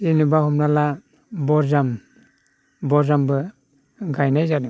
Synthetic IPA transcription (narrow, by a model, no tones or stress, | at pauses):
inɯbaɦhɔmnala | bɔɾzam | bɔɾzambɯ | ɡajnajzadɯ